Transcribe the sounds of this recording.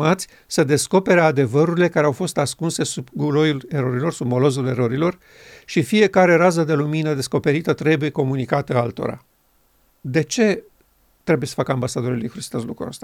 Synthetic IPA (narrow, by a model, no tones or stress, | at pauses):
at̪sʲ | səd̪e̞sko̞pe̞ɾead̪e̞vəɾuɾile̞kaɾeawfo̞st̪askunse̞subɡulo̞jule̞ɾo̞ɾilo̞rsub̚mo̞lo̞zule̞ɾo̞ɾilo̞r | ʃifije̞kaɾe̞ɾas̬əd̪e̞luminəd̪e̞sko̞pe̞ɾit̪ət̪ɾe̞buje̞ko̞munikat̪əalt̪o̞̰ɾa̰ | d̪e̞t͡ʃe̞ | t̪ɾe̞bujesə̥fakəambasad̪o̞ɾulujkuɾisi̥t̪ozlṵkɾṵa̰st̪a